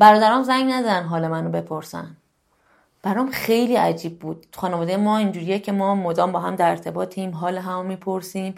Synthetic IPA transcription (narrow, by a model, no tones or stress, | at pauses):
b̥æɾɒːd̪æɾɒmzæŋɡnæd̪ɒd̪ænɦɒːlemænobe̞pʰo̞ɾsæ̰n | b̥æɾɒːmxejliːæd͡ʒiːb̚ːuːd̪̥̚tʰu̥xɒːnevɒːd̪ejemɒːind͡ʒuːɾijecʰe̞mɒːmod̪ɒːmbɒːɦæmd̪æɾeɾt̪ʰe̞bɒːt̪ʰemɦɒːleɦæmomiːpʰoɾsiːm